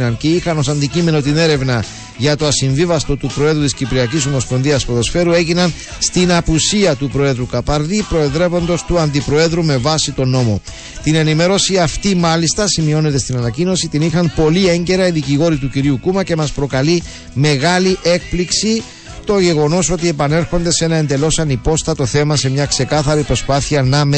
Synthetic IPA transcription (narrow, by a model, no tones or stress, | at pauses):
nɐnce̞ixɐno̞s̬ɐnd̪icime̞no̞t̪ine̞ɾe̞vnɐ | ʝɐt̪o̞ɐsiɱvivɐst̪o̞t̪upɾo̞e̞ðut̪iscipɾiɐciso̞mo̞spo̞nðiɐspoðo̞sfe̞ɾue̞ʝinɐn | st̪inɐpusiɐt̪upɾo̞e̞ðɾukɐpɐɾðipɾo̞e̞ðɾe̞vo̞nd̪o̞st̪uɐnd̪ipɾo̞e̞ðɾume̞vɐsit̪o̞no̞mo̞ | t̪ine̞nime̞ɾo̞siɐft̪imɐlist̪ɐsimio̞ne̞t̪e̞st̪inɐnɐcino̞sit̪inixɐmpo̞lie̞ɲɟe̞ɾɐiðiciɣo̞ɾit̪uciɾiukumɐce̞mɐspɾo̞kɐli | me̞ɣɐliʔe̞k̚pliksi | t̪o̞ʝe̞ɣo̞no̞so̞t̪ie̞pɐne̞ɾxo̞nd̪e̞se̞nɐend̪e̞lo̞sɐnipo̞st̪ɐt̪o̞θe̞mɐse̞mɲɐkse̞kɐθɐɾipɾo̞spɐθiɐnɐme